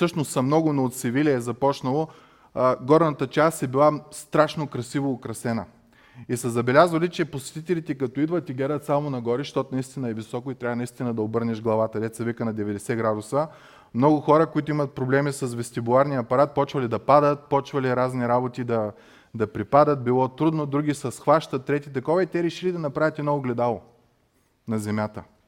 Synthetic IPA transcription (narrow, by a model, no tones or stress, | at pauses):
sɤʃnost̪sɐmnɔɡʊnoːt̪sivilʲɛːzɐpɔt͡ʃnɐlˠo | ɡɔɾnɐt̪ət͡ʃast̪ɛbilˠast̪ɾaʃnokɾɐsivoːkɾɐsɛnə | isɐzɐbɛlʲazvəlit͡ʃɛposɛ̥t̪it̪ɛlit̪ɛkɐt̪ɔid̪vət̪iɡlad̪ət̪samonɐɡɔɾiʃt̪ɔt̪ʊnɐist̪inɐɛvisɔkʊit̪ɾʲavənɐist̪inəd̪ɐobɤɾnɛʃɡlˠɐvat̪ɐd̪ɛt̪sɐvikənɐd̪ɛvɛd̪ɛsɛɡɾad̪ʊsə | mnɔɡʊxɔɾəkoit̪ʊimɐt̪̚pɾoblɛmisɐsvɛst̪ibulˠaɾnijəɐpɐɾat̪̚pɔt͡ʃvɐlid̪ɐpad̪ət̪̚pɔt͡ʃvɐlʲiɾazniɾabot̪id̪ɐ | d̪ɐpɾipad̪ət̪̚bilˠɔt̪ɾud̪nod̪ɾuɡʲisɛsxvaʃt̪ət̪ːɾɛt̪it̪ɐkɔvɐit̪ɛɾɛʃilid̪ɐnɐpɾavʲət̪ɛnɔɡlɛd̪alˠo | nɐzɛmʲjat̪ə